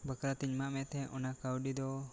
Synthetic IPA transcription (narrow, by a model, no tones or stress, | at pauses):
bəkɾat̪iɲmaʔmɛʔt̪ɛʔɔnakawɖid̪ɔ